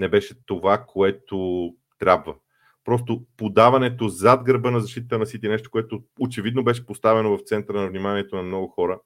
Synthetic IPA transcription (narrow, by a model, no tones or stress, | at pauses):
nɛbɛʃɛt̪ovakʰoɛt̪o | t̪ɾʲabvə | pɾɔs̬t̪opod̪avɐnɛt̪ozad̪̚ɡɾɐbɤnɐzɐʃt̪it̪ət̪ənɐsit̪inɛʃt̪o̥koɛt̪oot͡ʃɛvid̪nobɛʃɛ̥post̪avɛnovɐft̪sɛnt̪əɾənɐvnimaniɛt̪onɐmnɔɡʊxɔɾə